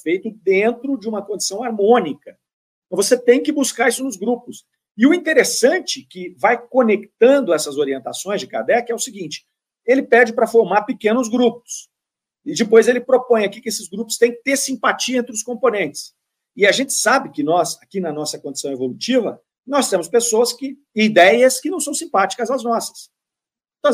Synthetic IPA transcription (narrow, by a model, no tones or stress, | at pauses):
fejt̪ʊd̪ẽnt̪ɾʊd͡ʒɪũmɐkõd͡ʒi̥sɐ̃w̃aɾmõnikɐ̃ | voset̪ẽj̃kɪbuskaɾisʊnʊzɡɾupʊs | ɪʊĩnt̪eɾesɐ̃nt͡ʃɪkɪvajkonekt̪ɐ̃nd̪ʊɛsɐzoɾiẽnt̪asõj̃zd͡ʒɪka̰d̪ɛkɪɛʊsɪɡĩt͡ʃɪ̥ | elɪpɛd͡ʒɪpɾɐfoɾmaɾpɪkẽnʊzɡɾup̚ʊ̥s | ɪd͡ʒɪpojzelɪpɾopõj̃akikɪesɪzɡɾupʊ̥st̪ẽj̃kɪ̥t̪eɾsĩpat͡ʃiɐẽnt̪ɾɪʊskõmponẽnt͡ʃɪ̥s | ɪaʒẽnt͡ʃɪ̥sabɪkɪnɔzakinɐnɔsɐkõd͡ʒɪ̥sɐ̃w̃evolut͡ʃivɐ | nɔst̪ẽmʊspesoɐskɪ | id̪ɛjɐskɪnɐ̃w̃sɐ̃w̃sĩmpat͡ʃi̥kɐzɐznɔsɐ̥s | t̪